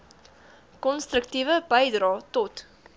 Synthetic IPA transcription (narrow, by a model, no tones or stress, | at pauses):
kɔnst̪rəktivəbəjdrɑːtɔt